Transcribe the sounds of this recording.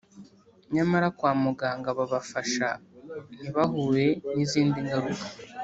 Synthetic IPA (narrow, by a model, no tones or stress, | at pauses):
ɲamaɾakwaːmuɡaŋɡaβaβafaʃa̰n̥iβaɦuːɾe̞niziːndiŋɡaɾukḁ